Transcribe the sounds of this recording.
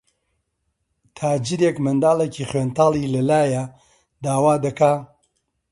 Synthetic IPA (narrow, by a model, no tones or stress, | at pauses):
t̪ʰaːd͡ʒiɾeːkmɐnd̪aːleciːχweːnt̪aːlˠiːlɐlaːja | d̪aːwaːd̪ɐkaː